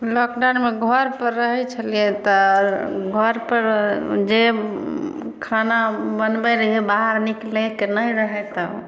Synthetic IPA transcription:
lɔkɖanmeɡʱəɾpəɾːəɦɛt͡ʃʰəlijet̪ɔ | ɡʱəɾpəɾd͡ʒe | kʰanabənbɛɾəɦebaɦaɾniklekenəjɾəɦɛt̪ɔ

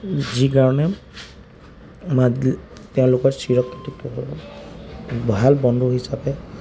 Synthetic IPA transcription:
zikaɹɔnɛ | matɛʊ̃lʊkɔɹsiɹɔkʰːitit | bɔɦalbɔndʱuɦisapɛ

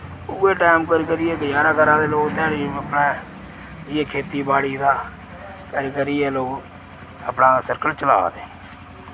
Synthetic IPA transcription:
ʊːeːʈaːmkəɾikəɾɪjeːɡəd͡ʒaːɾaːkəɾãːd̪eːloːkt̪aːɽiəpɽeː | ɪjeːkʰeːt̪iːbaːɽiːd̪aː | kəɾiːkəɾɪjeːloːɡ | əpnãːsəɾkəlt͡ʃəla̰ːd̪eː

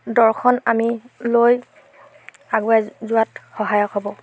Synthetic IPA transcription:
dɔɹxʰɔnamiloj | aɡuɛzʊwatxɔɦajɔkɦɔbɔ

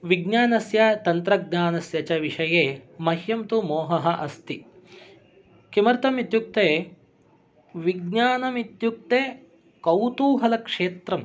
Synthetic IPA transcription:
ʋiɡɲaːnɐsjɐt̪ɐnt̪ɾɐɡ̚ɲaːnɐsjɐt͡ʃɐʋiʂɐjeːmɐhjɐmt̪umoːɦɐɦɐ̆ʔɐst̪i | kimɐɾt̪ɐmit̪juk̚t̪eː | ʋiɡɲaːnɐmit̪juk̚t̪eː | kɐwt̪uːɦɐlɐkʂeːt̪ɾɐm

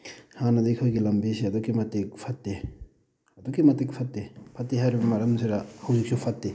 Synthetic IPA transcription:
hanɐdɐikʰojɡilɐmbisiɐdukːimɐtek̚pʰɐtde | ɐdukːimɐtek̚pʰɐt̚depʰɐt̚ːeɦajɾibɐmɐɾɐmsʰeɾahɐwzik̚sʰupʰɐtde

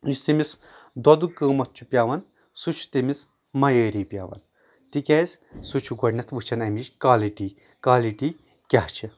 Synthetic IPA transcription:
misʲt̪imis | d̪ɔd̪ukəːmɐt̪̚ʰt͡ʃʰupʲjaːʋɐn | sut͡ʃʰu̥t̪imis | mɐjəːɾiːpʲja̰ːʋɐ̰n | t̪ikʲɛzʲsut͡ʃʰuɡɔɖnɐt̪ʰʋɨt͡ʃʰɐnɐmiʃkaːliʈiː | kaːliʈiː | kʲaht͡ʃʰi

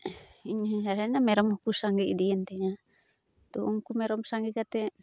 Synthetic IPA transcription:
iɲasaɾɛnamɛɾɔmukusaŋɡiidiɛnt̪ɛɲa | t̪uʔuŋkumɛɾɔmsaŋɡikat̪ɛ

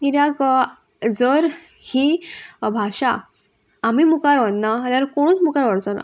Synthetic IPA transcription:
kiɾjak | d͡zəɾ | hibʱaɕaː | mimukaɾʋənnalaɾkoɽ̃ũːt͡smukaɾʋəɽt͡sona̰

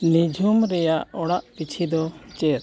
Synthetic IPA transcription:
nid͡ʒʱumɾɛjaʔɔɽaʔpit͡ʃʰid̪ɔt͡ʃɛɾ

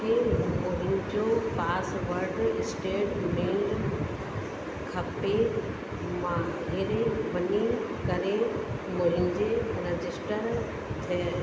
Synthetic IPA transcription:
kʰemʊ̃ɦɪnd͡ʑopaːsʋɐɾɖɪsʈeːʈmeːɖ | kʰɐpe | mãɦɪɾeʋɐɲikɐɾemʊ̃ɦɪ̃nɪd͡ʑeɾɐd͡ʑɪsʈəɾ | t̪ʰe

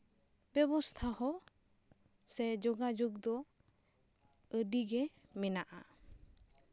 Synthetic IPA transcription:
bɛbɔst̪ʰahɔ | sɛd͡ʒɔɡad͡ʒuɡd̪ɔ | əɖiɡɛmɛnaʔa̰

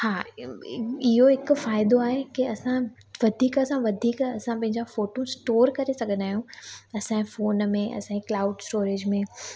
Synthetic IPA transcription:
haː | ɪɦoɦɪkfaːɪd̪oaːɦekiɐsã | ʋɐd̪ʱiːkɐsãʋɐd̪ʱiːkɐsãpɐ̃ɦɪ̃ɲd͡ʑafoːʈõsʈoːɾkɐɾesɐɡʱə̃nd̪aːɦijũɐsãfoːnmẽʔɐ̰sãklaːʊɖsʈoːɾeːd͡ʑmẽː

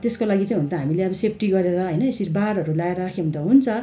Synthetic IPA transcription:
t̪eskolaɡit͡saĩɦunt̪ʰʌɦamileʌbʌsep̚ʰʈiɡʌɾeɾʌɦʌjnʌesiɾbaɾɦʌɾulajeɾʌakʰeɦunt̪ʌɦunt͡sʰʌ

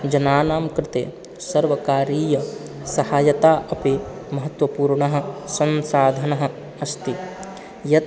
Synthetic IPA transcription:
d͡ʒɐnaːnaːmkɾɪt̪ḛː | sɐɾʋɐkaːɾiːjɐ | sɐhaːjɐt̪aːʔɐpimɐɦɐt̪wɐpuːɾɳɐɦɐ̆sɐ̃nsaːd̪ʱɐnɐɦɐ̆ | ɐst̪i | jɐ

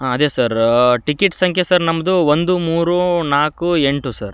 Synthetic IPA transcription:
aːɐd̪eːsɐɾʈikiʈsɐŋkʰjɐsɐɾnɐmːɐd̪uʋond̪umuːɾunaːkue̞ɳʈusɐɾ

